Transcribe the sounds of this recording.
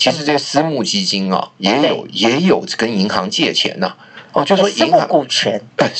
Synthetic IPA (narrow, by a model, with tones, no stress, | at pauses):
t͡ɕʰi˧˥ʂɻ̩˧˥t͡ssɹ̩˥mu˥˩t͡ɕi˥t͡ɕi˥nɐ̰˨jɛ˧˥jo̰˨˩˦ʊjɛ˧˥jo˨˩ʊ˩kə˥ni˧˥ŋxɑ˧˥ŋt͡ɕjɛ˥˩t͡ɕʰjɛ̰˧˥nɐ˧ | ɔ˧t͡ɕjo˥˩ʊ˩ʂɔ˥ŋmu˥˧˦ku˥˩t͡ɕʰɛ˧˥nə˧˩